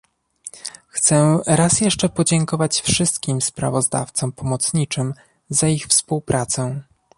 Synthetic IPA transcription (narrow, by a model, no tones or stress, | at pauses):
xt̪sɛɾasjɛʂt͡ʂɛpɔd͡ʑɛŋkɔvat͡ɕfʂɘst̪kʲimspɾa̰vɔzd̪a̰ft̪sɔmpʰɔmɔt̪sɲit͡ʂɘm | zaixfspuwpɾʔat̪sɛ